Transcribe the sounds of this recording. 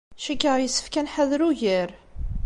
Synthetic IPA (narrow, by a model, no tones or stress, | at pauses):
ʃikːəʁjəsːə̥fkænħaðɾuʝəɾ